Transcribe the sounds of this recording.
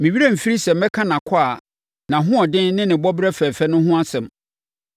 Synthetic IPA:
mɪ̃˨ɥi˦ɾɛ˦m̩˨fi˦ɾi˦sɛ˨mɛ˦kʰã˦nã˨kʰa˨ | nã˨ɦʊ̃˦ɔ˨dɪ̃˦nnɪ̃˦nɪ̃˨bɔ˦bɾɛ˦fɛ˨fɛ˦nʊ̃˦ɦʊ̃˦a˦sɛ̃˨m

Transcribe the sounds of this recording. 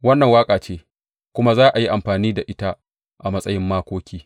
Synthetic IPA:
wɐ˦nːɐ˨ŋwaː˦kʼaː˨t͡ʃeː˦ | kʷʊ˦ma˦zaː˦ʔa˨ji˦ʔa˨mɸaː˨niː˦da˨ʔɪ˦ta˦ | ʔa˨mɐ˦sʼɐ˦jɪ˦mːaː˦kʷoː˦kʲiː˦

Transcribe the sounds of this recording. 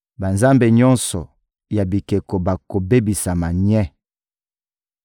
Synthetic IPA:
ba˨nza˦mbe˨ɲɔ˦nsɔ˨ | ja˨bi˨ke˨ko˨ba˨ko˨be˦bi˨sa˨ma˨ɲɛ˦

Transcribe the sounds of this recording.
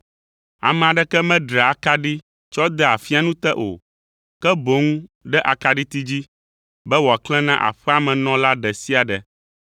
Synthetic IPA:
a̰˨mɛ̃˨a˨ɖɛ˦kɛ˦mɛ̃˦ɖɾa˨a˨ka˦ɖi˦ | t͡ʃɔ˦d̪ɛ˦a˨fi˦a˦nũ˦t̪ɛ˦ʔo̰˨ | kɛ˦bo˨˦ŋũ˦ɖɛ˦ʔa˨ka˦ɖi˦t̪i˦d͡ʑi˦ | bɛ˦wɔ˨a˨klɛ̃˦nã˦ʔa̰˨ɸɛ˦a˨mɛ̃˨nɔ̃˦la˦ɖɛ˨si˦a˨ɖɛ˨

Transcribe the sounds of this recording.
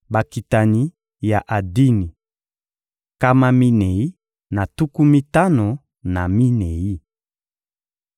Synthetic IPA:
ba˨ki˨ta˨ni˨ | ja˨ʔa˨di˦ni˨ | ka˦ma˦mi˦ne˨i˦ | na˨tu˦ku˦mi˦ta˦no˨ | na˨mi˦nɛ˨ji˦

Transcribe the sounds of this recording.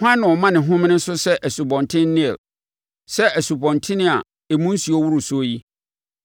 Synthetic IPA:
hʷã˦nɪ̃˨ɔ˨mã˦nɪ̃˨ɦʊ̃˦m˦nɪ̃˦sʊ˦sɛ˦ʔæ˨su˨bɔ̃˨ntʰɪ̃˦nː˦ɪ̃˦ɛ̰˨l | sɛ˦ʔæ˨su˨bɔ̃˨ntʰɪ̃˦nɪ̃˦a˨ | e˨mũ˦n̩˦si˨o˦wu˦ɾʊ˨sʊ˦ji˦

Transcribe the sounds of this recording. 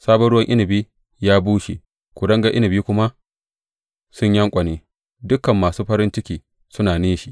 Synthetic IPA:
saː˦bɐ˦ɽʊ˦wɐ˦ŋʔɪ˦nɪ˨biː˦ | jaː˦buː˦ʃi˨ | kʷu˨dɐ˦ŋɡa˦ʔɪ˦nɪ˨biː˦kʷʊ˦ma˦ | sʊ˦ɲjɐ˦ŋkʷʼɐ˨neː˦ | dʊ˦kɐ˨mːaː˨suː˦ɸɐ˦ɾɪ˦nt͡ʃɪ˦kʲiː˨ | sʊ˦naː˨neː˦ʃi˨

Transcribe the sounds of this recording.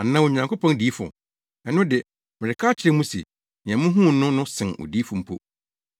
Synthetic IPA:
a˨nã˦wo˨ɲã˨ŋkʰo˦pɔ̃˦ndiː˨˦fʊ̰˨ | ɛ˨nʊ̃˦dɪ˨ | mɪ̃˨ɾɪ˨kʰaː˦t͡ɕʰɪ˨ɾɛ˦mũ˦sḛ˨ | nɪ̃˨ɛ̃˨mʊ̃˦ɦũ˦˨nʊ̃˦nʊ̃˦sɪ̃˨no̰˨diː˦fʊ˨m̩˦pʰo˦

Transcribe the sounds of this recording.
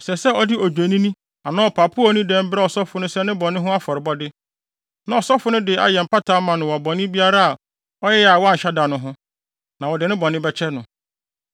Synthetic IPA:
sɛ˨sɛ˦ɔ˦dɪ˦ɔ˨d͡ʑᶣe˨nĩ˦nĩ˦ | a˨nã˦ɔ˨pʰa˨pʰʊ˦ɔ˦nĩ˦dɛ̃˦m˦bɾɛ˦ɔ˨sɔ˦fʊ˨nʊ̃˦sɛ˦nɪ̃˦bɔ̃˨nɪ̃˦ɦʊ̃˦a˦fɔ˨ɾɪ˨bɔ˦dɪ˦ | nã˨ɔ˨sɔ˦fʊ˦nʊ̃˦dɪ˨a̰˨jɛ˨m̩˨pa˦tʰa˦mã˨nʊ̃˨wɔ˨bɔ̃˨nɪ̃˦bi˦a˦ɾa˦a˨ | ɔ˦jɛ˦ja˨wɔ˦a˦˨ɲ˨ɕa˦da˨nʊ̃˦ɦʊ̃˦ | nã˨wɔ˨dɪ˨nɪ̃˦bɔ̃˨nɪ̃˦bɛ˦t͡ɕʰɛ˦nʊ̃˨

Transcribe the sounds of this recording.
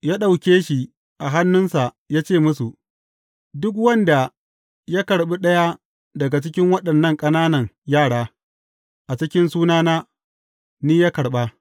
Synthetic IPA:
jaː˦ɗa˨wkʲeː˦ʃi˨ | ʔa˨ɦa˦nːʊ˦nsa˨ | jaː˦t͡ʃeː˦˨mʊ˦su˨ | dʊ˦k̬wɐ˦nda˨ | ja˦kɐ˨ɽɓi˦ɗɐ˦ja˦ | dɐ˨ɡa˨t͡ʃɪ˦kʲɪ˦ŋwɐ˦ɗɐ˨nːɐ˦˨ŋkʼɐ˦naː˦nɐ˨ŋjaː˦˨ɽaː˦ | ʔa˨t͡ʃɪ˦kʲɪ˦nsuː˦naː˦naː˦ | niː˦jaː˦kɐ˨ɽɓa˦

